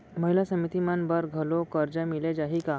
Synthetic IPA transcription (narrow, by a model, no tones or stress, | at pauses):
məɦilasəmit̪imanbəɾɡʱəlokəɾd͡ʑəmiled͡ʑaɦika